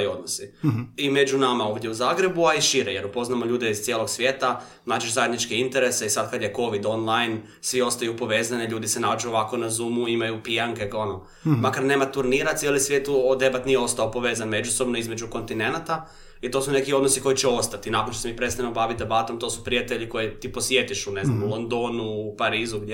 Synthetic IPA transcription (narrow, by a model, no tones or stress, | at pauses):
o̞d̪nosiime̞d͡ʒunamao̞ːʋd̪ʲjeuzaːɡɾe̞buaiʃiɾejeɾupo̞znamo̞ʎuːd̪eiz̥t̪jeːlˠo̞ɡsʋje̞ːt̪a | naːt͡ʃeʒzaje̞d̪nit͡ʃkeint̪e̞ɾe̞seisad̪kad̪jeko̞ʋid̪o̞nlˠajn | sʋio̞st̪ajupo̞ʋe̞ːzaniʎuːd̪isenad͡ʒuoʋako̞nazuːmuimajupijaŋkeɡono | makaɾne̞ːmat̪uɾniːɾat̪sjelisʋjet̪uod̪e̞bat̪nijɛo̞st̪aopo̞ʋe̞ːzanme̞d͡ʒuso̞bnoizmed͡ʒuko̞nt̪ine̞nat̪a | it̪o̞sune̞kio̞d̪nosiko̞jit͡ɕɛo̞st̪at̪inakonʃt̪osemipɾe̞t̪st̪aemobaʋit̪̚d̪e̞bat̪o̞mt̪osu̥pɾijat̪eʎikojet̪ipo̞sje̞t̪iʃune̞znamulˠond̪o̞nupaɾiːzuɡ